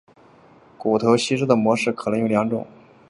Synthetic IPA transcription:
ku˨˩t̪ʰɤ˧˥ʊɕi˥ʂɻ̩˥d̪ə˨˩mwɔ˧˥ʂɻ̩˥˩kʰɤ˨˩nɤ˧˥ŋjo˧˩ljɑ˧˥ŋʈ͡ʂʊ̰˨˩˦ŋ

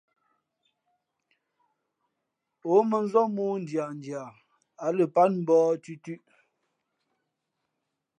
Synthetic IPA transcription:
o˨˦mə˨n˦zɔ˦muː˦n̩˨dja˨n˨dja˨ | a˨lə˨pa˦nm̩˦bɔː˦tʉ˦tʉ˦ʔ

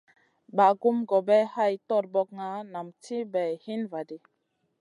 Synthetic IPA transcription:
ba˨ɡu˦mɡo˨bɛ˦ha˦˨jtɔ˦˨ɾbɔ˦k̚ŋa˦na˨mtʰi˦bɛ˨hi˦nva˨di˨

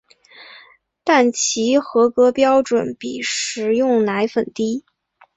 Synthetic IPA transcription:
t̪a˥˩nt͡ɕʰi˧˥xɤ˧˥kɤ˧˥pjɑ˥ʊʈ͡ʂwə˨˩˦npi˨˩ʂɻ̩˨˩jʊ˥˩ŋna˧˥ɪfə˨˩nt̪i˥

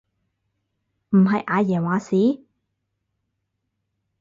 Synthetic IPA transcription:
m̩˨˩ɦɐ˨˧jʔaː˨˧jɛː˨˩nwaː˨siː˨˥

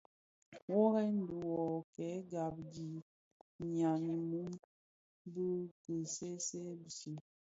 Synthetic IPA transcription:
wɔ˦ɣɛ˦n˦bi˨wɔ˨kɛ˨˦ɡa˨b̚d͡ʒi˨ | ɲa˨ni˨mu˦ŋ | bə˦kə˨se˦se˦bi˨si˨

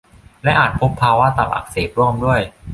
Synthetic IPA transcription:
lɛ˦˥ʔaː˨˩t̪̚pʰo˦˥pʰːaː˧wa˦˥t̪a˨˩p̚ʔa̰˨˩k̚seː˨˩p̪̚ɾu˥˩əmdu˥˩əj

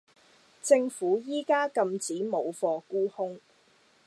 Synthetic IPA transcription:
t͡sɪ˧ŋfuː˨˥jiː˥kaː˥kɐ˧mt͡siː˨˥mo˨˧wfɔː˧kuː˥hʊ˥ŋ

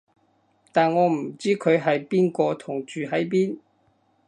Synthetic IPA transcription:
t̪aː˨nŋɔː˨˧m̩˨˩t͡siː˥kʰɵ˨˧ɥɦɐ˨jpiː˥nkɔː˧t̪ʰʊ˨˩ŋt͡ʃyː˨ɦɐ˨˥jp̬iː˥n

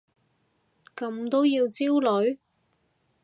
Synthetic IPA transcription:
kɐ˨˥mt̪o˥wjiː˧wt͡siː˥wlɵ˨˧˥ɥ

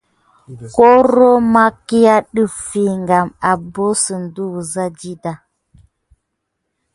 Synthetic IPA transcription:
ko˦ɾo˦ma˦ki˦ja˦ɗɨ˦˨fi˨ŋɡa˨ma˨bo˦sə˨n̩˨du˦˨za˦d͡ʒi˦da˨

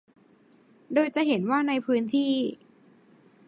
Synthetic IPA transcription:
doː˧jt͡ɕa˨ʔɦe˩˦nwaː˥˩na˧jpʰɯː˦˥nt̪ʰiː˥˩

